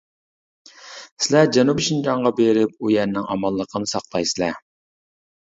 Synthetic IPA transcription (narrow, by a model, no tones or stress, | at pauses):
sɪlɛd͡ʒɛnupʃind͡ʒɑɴʁɑbeɾɪp̚ujɛɾnɪŋɑmɑlˠːəqʰənɨsɑqlˠɑjsɪlɛ̰